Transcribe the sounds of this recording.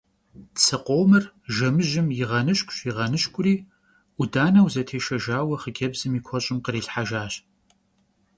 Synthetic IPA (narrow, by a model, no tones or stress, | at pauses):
t͡sʰɐqʷoːwmɨr | ʒɐmɨʒɪmjɪʁɐnɨɕkʷʼɕʼjiʁɐnɨɕkʷʼʊriː | ʔʷʊdaːnɐwzɐtʰeːʃɐʒaːwɐχəɡʲɛbzɨmiːkʷʰɔɕʼɪmqəɾiːɬħaʒaːɕ